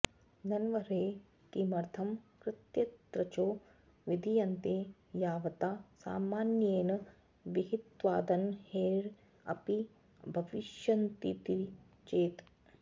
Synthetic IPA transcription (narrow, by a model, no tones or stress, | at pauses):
nɐnʋɐɾeː | t̪imɐɾt̪ʰɐmkɾɪt̪jɐt̪ɾɐt͡ʃoː | ʋid̪ʱijɐnt̪eː | jaːʋɐt̪aːsa̰ːmaːnjeːnɐ | ʋiɦit̪ʋa̰ːd̪ɐnheːɾ | ɐ̰pi | bʱɐʋiʃjɐnt̪it̪i | t͡ʃeːt̪